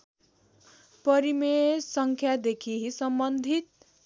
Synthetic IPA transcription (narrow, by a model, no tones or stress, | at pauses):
pʌɾimesʌŋkʰjad̪ekʰiɦisʌmbʌnd̪ʱit̪̚